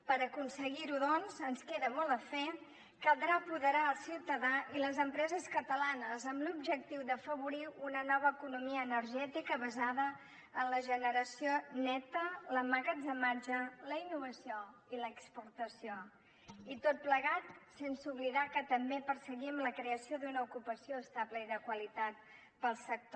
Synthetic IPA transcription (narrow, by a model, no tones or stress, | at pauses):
pəɾəkunsəɣiɾuðɔnzənskeðəmɔlˠəfɛ | kəd̪ɾapuðəɾaəlˠsiwt̪əðailəzəmpɾɛzəskət̪əlanəzəmlubʒək̚t̪iwd̪əfəβuɾiunənɔβ̞əːkunumiəːnəɾʒɛt̪ikəβəzaðə | ənləʒənəɾəsionɛt̪ələmaɣəzəmaɾʒələinːuβəsioiləːkspuɾt̪əsio | it̪ot̪̚pləɣat̪̚sensuβliðakət̪əmbepəɾsəɣimləkɾeəsioðunəukupəsioəst̪apləiðəkwəlit̪at̪̚ | pəlˠsək̚t̪o